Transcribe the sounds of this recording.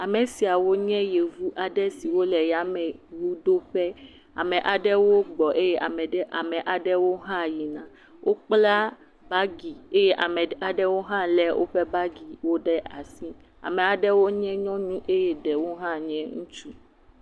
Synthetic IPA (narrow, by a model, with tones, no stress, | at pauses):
a˨mẽ˨si˨a˨wo˦ɲɛ̃˦je˨vu˦ʔa˨ɖɛ˦si˨wo˦lɛ˨ja˦mɛ̃˨wu˦do˦ɸɛ˦ | a̰˨mɛ̃˨ʔa˨ɖɛ˦wo˦ɡ͡bɔ˨ʔe˦jɛ˦ʔa˨mɛ˨ɖɛ˦ʔa̰˨mɛ̃˨ʔa˨ɖɛ˦wo˦ɦã˦ji˨nã˨ | wʔo˦k͡pla˦ | ba˦ɡi˨e˦jɛ˦ʔa˨mɛ˨a˨ɖɛ˦wo˦ɦã˦lɛ˨wʔo̰˦ɸɛ˦ba˦ɡi˨wo˦ɖɛ˦ʔa˨si˦ | a̰˨mɛ̃˨a˨ɖɛ˦wo˦ɲɛ̃˦ɲɔ̃˦nũ˦ʔe˦jɛ˦ɖɛ˨wo˦ɦã˦ɲɛ̃˦ŋũ˦t͡ʃu˦